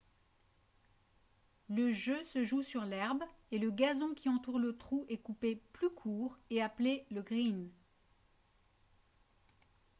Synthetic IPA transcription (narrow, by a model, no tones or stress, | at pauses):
ləʒøsəʒusyʁlɛʁbeləɡazɔ̃kʲʰiɑ̃t̪uʁlət̪χuɛkupeplykʰuːʁeapleləɡʁin